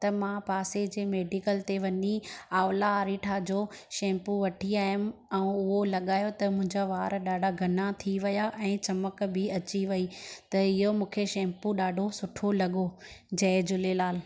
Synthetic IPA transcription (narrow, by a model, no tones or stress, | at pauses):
t̪ɐmãpaːsed͡ʑeːmeːɖikəlt̪eʋɐɲiaːʋlaaːɾiʈʰaːd͡ʑoːʃɛ̃ːmpuʋɐʈʰiaːɦʊmʊ̆ɛ̃ũʊɦolɐɠaːjot̪ɐmʊ̃ɦɪ̃ɲd͡ʑaʋaːɾɗaːɖʱaɡʱɐnat̪ʰiʋɐjaʔɛ̃ːt͡ɕɐməkbʱɪɐt͡ɕiʋɐit̪ɐɪɦomũːkʰeʃɛ̃ːmpuɗaːɖʱosʊʈʰolɐɠod͡ʑɐːd͡ʑʊlelaːl